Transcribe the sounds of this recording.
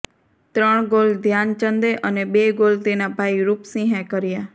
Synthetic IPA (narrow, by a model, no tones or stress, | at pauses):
t̪ɾəɳ̃ɡold̪ʱjant͡ʃənd̪eʔəneɓeɡolt̪enabʱaiɾuːpsĩɦɛ̃kəɾija